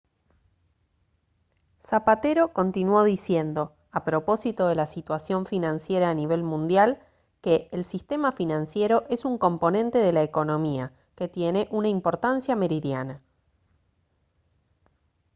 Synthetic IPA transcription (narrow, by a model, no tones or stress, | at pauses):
sapat̪e̞ɾo̞ko̞nt̪inwo̞ðisje̞nd̪o̞ | apɾo̞po̞sit̪o̞ð̞e̞lasit̪wasjo̞ɱfinãnsje̞ɾaːniβ̞e̞lmũnd̪jal | keʔːlsist̪e̞mafinãnsje̞ɾo̞ʔe̞suŋko̞mpo̞nẽ̞nt̪e̞ðe̞laeko̞nõ̞mia | ke̞t̪je̞ne̞ʔunaimpoɾt̪ansjame̞ɾiðjana